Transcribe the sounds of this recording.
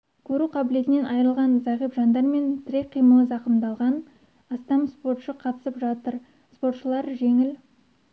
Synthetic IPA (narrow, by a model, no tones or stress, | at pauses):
kʲʰɵɾuqʰɑbɪle̞t̪ɪne̞nʔɑjɾəlˠʁɑnzɑʁipʒɑnd̪ɑɾme̞nt̪ʰɪɾʲeqʰijməlˠəzɑqəmd̪ɑlˠʁɑn | ɑst̪ɑmspo̞ɾt̪ʃəqʰɑt̪əsəpʒɑt̪əɾ | spo̞rt̪ʃəlˠɑɾʒe̞ŋɪl